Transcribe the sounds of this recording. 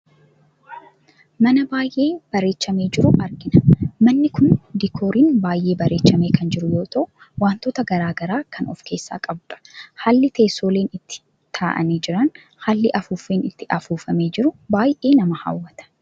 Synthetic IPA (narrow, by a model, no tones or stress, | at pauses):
mɐnɐbaːjʔe̞ːb̥ɐɾe̞ːt͡ʃːɐme̞ːd͡ʒɪɾʊʔɐɾɡɪnɐmɐnːɪkʊnd̪ikʰoːɾiːnbaːjʔe̞ːbɐɾe̞ːt͡ʃːɐme̞ːkʰɐnd͡ʒɪɾʊjo̞ːt̪ʰɐʔʊ | waːnt̪oːt̪ɐɡɐɾaːɡɐɾaːkʰɐnʔɔ̰fke̞ːsːa̰ːkʼɐbʊᶑɐ̥haːlːɪt̪e̞ːsːo̞ːleːnɪt̪ːɪ̥ | t̪ʰaːʔɐ̰niːd͡ʒɪɾɐn | haːlːɪʔɐfuːfeːnɪt̪ːɪʔɐfuːfɐme̞ːd͡ʒɪɾʊbaːjʔe̞ːnɐmɐhɐ̰wːɐt̪ɐ̥